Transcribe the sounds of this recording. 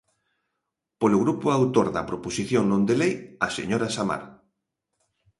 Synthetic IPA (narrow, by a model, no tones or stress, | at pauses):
poloɣɾupʊawt̪oɾðɐpɾoposiθjoŋnõnd̪elejasḛɲoɾasama̰ɾ